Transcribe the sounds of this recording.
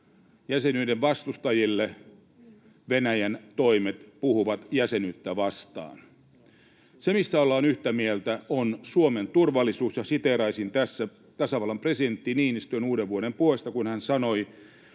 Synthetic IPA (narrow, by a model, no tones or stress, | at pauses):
jæsenyːdeʋʋɑst̪ust̪ɑjilːe | ʋenæjænt̪oimet̪puhuʋɑt̪jæsenyt̪ːæʋɑst̪ɑ̰ːn | semisːæolːɑːnyht̪æmielt̪æonsuoment̪urʋɑlːˑisuːsjɑsit̪erɑisint̪æsːæ | t̪ɑsɑʋɑlːɑmpresident̪ːiniːnist̪yenuːɾeʋʋuoɾempuoist̪ɑkunhænsɑnoi